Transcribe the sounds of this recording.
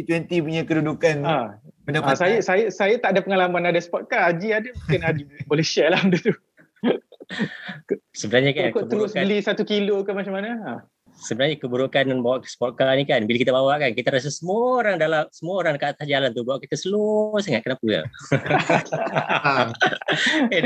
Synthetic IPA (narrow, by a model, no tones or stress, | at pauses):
t̪wɛnt̪ipuɲakədudukanabəndaasajasajasajat̪aʔadapəŋalamanadaspɔt̪̚kaːd͡ʒiadamuŋkɪnad͡ʒipɔlisialamdut̪u | ksəbənarɲakankoəb̪əlʊsabəlisat̪ukilokanmat͡ʃamanaa | səbənarɲakəbuɾukanbawaʔkə̥sə̥pɔt̪̚kanikanbilakit̪abawaʔkankit̪aɾas̬asəmuaoɾaŋdalamsəmuaoɾaŋkaʔt̪ahd͡ʒalant̪ubawaʔkit̪asəlusəŋaʔkənapəja̰